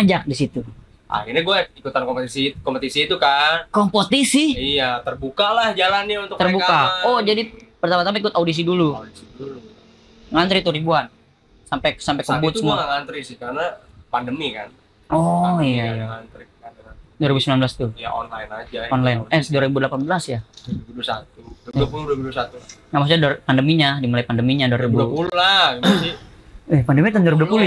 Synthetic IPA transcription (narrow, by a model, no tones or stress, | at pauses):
ad͡ʒak̚disit̪u | ʔa̰kiɲaɡuɛikut̪ankompət̪isikɔmpət̪isiːt̪ukankompot̪isihijat̪ərbukalahd͡ʒalanɲaunt̪ʊkt̪ərbuakaɔd͡ʒadipərt̪apat̪ampaikʊt̪audis̬iduluadisidulu | ŋant̪ɾit̪uɾibuan | sampɛsampɛkəbʊt̪səmualaŋant̪ɾisɪhkaɾəna | pandəmikan | ʔɔijaiaant̪ɾikanaduaɾibusəmilambəlast̪uja̰ɔ̰nlajnad͡ʒaɔnlajnʔɛduaɾibudəlapanbəlasjaibudusat̪uapuludbudsat̪uŋamas̬adrpandəmiɲadimulaipandəmiɲaduaɾibupululaasiɛpandəmit̪unduaɾibudupulu